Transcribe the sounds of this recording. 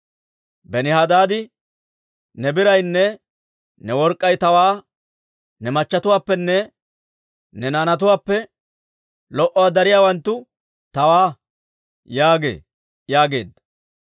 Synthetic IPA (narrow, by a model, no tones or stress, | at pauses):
bɛnɪɦɐd̪aːd̪ɪ | nɛbɪɾɐjnːɛ | nɛwɔɾkʼːɐjt̪ɐwaː | nɛmɐt͡ʃːɐt̪ʊwaːpːɛnːɛ | nɛnaːnɐt̪̬ʊwaːpːɛ | lɔʔɔwad̪ɐɾɪjaːwɐnt̪ːʊ | t̪ɐwaː | jaːɡe̞̰ː | jaːɡe̞ːd̪ɐ